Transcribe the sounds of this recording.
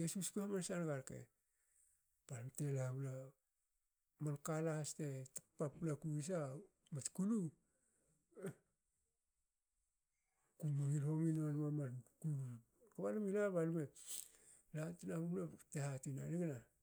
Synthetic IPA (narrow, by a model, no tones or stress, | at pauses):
jesuskuhamansanɡaɾkḛ | b̥alumtelabla | mankalahastetapapːlakuis̬a | mat͡ʃkulu | kumuilhominmanmamaku | kaβalmilaβalume | latinaβublatehatinaniɡna